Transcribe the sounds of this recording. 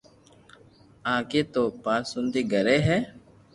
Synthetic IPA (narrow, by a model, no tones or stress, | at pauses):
ãːkeːt̪oːpaːsʊnd̪iːɡəɾeːɦɛː